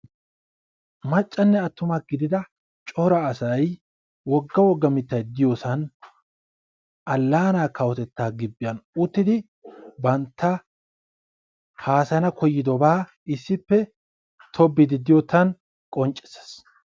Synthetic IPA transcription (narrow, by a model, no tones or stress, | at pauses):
mɐt͡ʃʼːɐnːɛɐt̪ːʊmɐɡɪd̪ɪd̪ɐ | t͡ʃʼɔɾɐːsɐj | wɔɡːɐwɔɡːɐmɪt̪ːɐjd̪ɪjɔsɐn | ɐlːaːnaːkɐwɔt̪ɛt̪ːaːɡɪbːɪjɐnʊt̪ːɪd̪ɪ | bɐnt̪ʰːɐ | haːsɐnɐkʰɔjːɪd̪ɔbaː | ɪsːɪpːɛ | t̪ʰɔbːɪd̪ɪd̪ɪjɔt̪ːɐn | kʼɔnt͡ʃʼɛ̥se̥s